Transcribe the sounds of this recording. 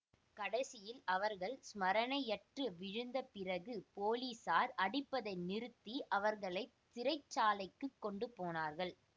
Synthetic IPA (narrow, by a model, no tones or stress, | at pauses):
kɐɽɐsɪjɪlɐʋɐɾɣɐɭsmɐɾɐnɐɪjɛʈrɯʋɪɻɯnd̪ɐpɪrɐɣɯpoːliːsaːɾʔɐɽɪpːɐðɐɪnɪɾɯt̪ːiʔɐʋɐɾɣɐɭɐɪt̪ːɪɾɐɪt͡ʃːaːlɐɪkːɯkːɔɳɖɯpoːnaːɾɣɐɭ